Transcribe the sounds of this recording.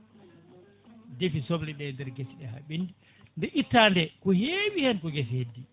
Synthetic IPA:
defisobliɗɛndɛɾɡesiɗɛha̰ɓindi | ndɛʔitːaːndɛkɔheɓihɛnkɔɡesihedːi

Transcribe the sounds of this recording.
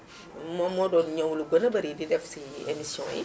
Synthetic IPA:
mɔmɔdɔːnɲɔwluɡənɐbɐɾididɛfsiemisjɔ̰̃ːjḭ

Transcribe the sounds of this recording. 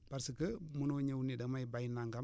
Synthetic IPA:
b̥aɾsəkəmunoɲewnidamajbajnːaŋɡa

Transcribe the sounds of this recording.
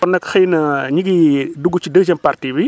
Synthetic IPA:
ɔnːɐkxɐjnɐɲiɡiduɡːut͡ʃidəɡd͡ʒɐmpartibi

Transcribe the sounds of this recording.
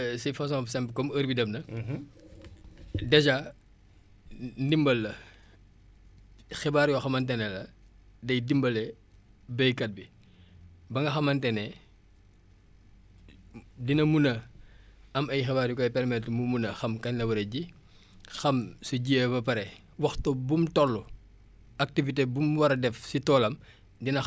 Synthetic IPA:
sifɐs̬ɔ̃psɛmpəkɔməɾbidɐmnɐ | dɐd͡ʒa | ndimbɐlːɐ | xɛbaːɾjɔxɐmɐntɛnɛlɐ | dɐjdimbɐlɛ | bɛjkɐt̚bi | bɐŋɡɐxɐmɐntɛnɛ | dinɐmunɐ | ɐmɐjxɛbaːɾjukɔjpɛɾmɛtmumunɐxɐmkɐɲlɐwɐɾeɟi | xɐmsuɟiɛbɐpɐɾɛ | wɐxtɔbumtɔlːu | ɐk̚tivitebumwɐɾɐdɛfsitɔːlɐm | dinɐ

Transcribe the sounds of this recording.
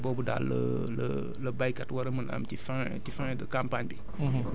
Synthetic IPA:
bɔbuda̰ːlə̰ | lə | ləbajkatwɐɾəməla̰mtifã | tifãdəkãmpaɲbi

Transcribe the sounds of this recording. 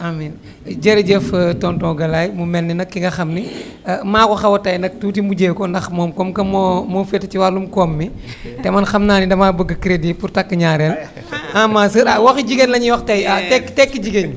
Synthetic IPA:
amin | d͡ʒɐɾiɟɛftɔntɔ̃ːɡɐlajmumɛnːɛnɐkːiŋɡɐxɐmni | maːkɔxɐwɐtɐjnɐk̚tuːtimuɟeːkɔndɐxmɔːmkɔmkɐmɔmɔːfɛtːɐciwalːumkɔmːitɛmɐnxɐmnaːnidɐmaːbəɡːəkɾedipuɾtɐkːəɲaːɾɛl | amaːsəɾawɐxiɟiɡenlɐɲiwɐxtɐjatɛkːtɛkːiɟiɡeɲ

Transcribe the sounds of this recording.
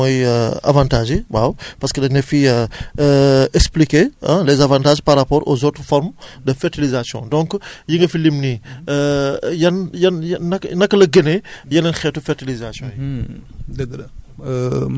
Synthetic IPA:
ɔjəa̰vãːntaːʒiwawpɐɾskədɐnɐfi | ɛksplikeɐ̃lɛːzavãntaːʒparːapɔːɾʔo̰zoːtɾfɔɾmdəfɛɾtilizasjɔ̰̃dɔ̃ŋkjiŋɡɐfilimni | jɐnjɐnːɐknɐkːəlɐɡənejɐnɛnxɛtufɛrtilizasjɔ̃ji | dɐɡ

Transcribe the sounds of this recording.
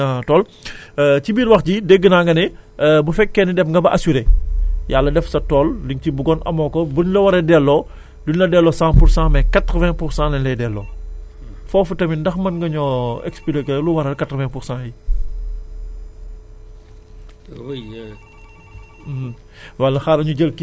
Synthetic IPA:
atɔːl | cibiːɾwɐxɟideɡːənaŋɡɐnɛbufɛkːɛnidɛfŋɡɐbɐʔɐsuɾeːjalːɐdɛfsɐtɔːlliŋcibuɡɔnʔɐ̰mɔkɔbunlɐwɐɾɛdɛlːɔ | dunlɐdɛlːɔsãːpuɾsãːmɛkatɾəvɛ̃puɾsãlɐnlɛdɛlːɔ | fɔːfutɐmindɐxmɐnŋɡɐɲɔɛ̰kspilekɛluwɐɾɐrkatɾəvɛ̃ŋpuɾsãji | wɐlɐxaːɾɐɲuɟəlki

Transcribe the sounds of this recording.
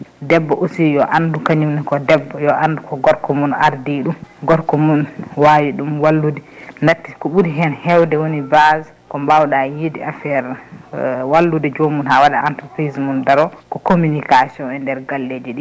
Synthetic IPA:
dɛbːɔʔosijɔʔandukaɲumnɛkɔdɛbːɔjɔʔandukɔɡɔɾkɔmunaɾdiɗumɡɔɾkɔmunwawiɗumwalːudɛnatːikɔɓuɾiɦɛnhɛwdɛwonibaz | kɔmbawɗajediafɛɾ | walːudɛd͡ʒomunhawaɗaantɾɔpɾizmundaɾɔkɔkominikasiɔnɛndɛɾɡalːed͡ʒɛɗi

